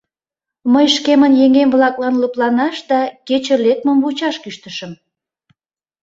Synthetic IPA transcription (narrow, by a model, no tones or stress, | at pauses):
məjʃkemənjeŋemβlɑklɑnluplɑnɑʃd̪ɑket͡ɕəlek̚məmβut͡ɕɑʃkyʃt̪əʃəm